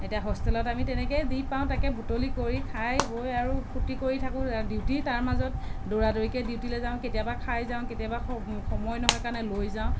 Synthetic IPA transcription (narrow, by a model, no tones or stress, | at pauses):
etijaɦɔstɛlɔtamitɛnɛkɛdipaʊ̃takɛbutolikoɹikʰajbojaɹupʰutikoɹitʰakʊ̃diwtitaɹmazɔt̚doɹadoɹikɛdiwtilɛzaʊ̃ketijabakʰajzaʊ̃ketijabaxɔmɔjnɔɦɔjkaɹnɛlojzaʊ̃